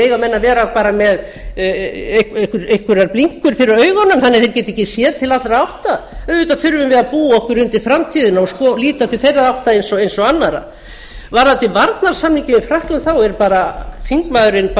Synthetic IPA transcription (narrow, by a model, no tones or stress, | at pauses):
ejɣamɛnːavɛːɾapaːɾamɛð | ehkhkʏɾejhkʏɾaɾpliŋ̥kʏɾ̥fɪɾɪɾœːɥɣanːʏmθanːɪθejɾ̥cɛːt̪ɪejcːɪsjɛːðt̪ʰɪlat̪lɾaawht̪aœvʏt̪aðθʏɾvʏmvɪðaðpuːɔhkvʏɾʏnt̪ɪ̥fɾamt̪ʰiːðɪnaɔskɔliːt̪at̪ʰɪlθejrːaðawht̪aðejnsɔɣejnsɔɣanːaɾa̰ | vaɾθat̪ɪvaɾt̪naɾ̥samniɲcɪmɪfɾahk̪lʏnθawɛɾpaːɾafiŋkmaðʏɾɪnp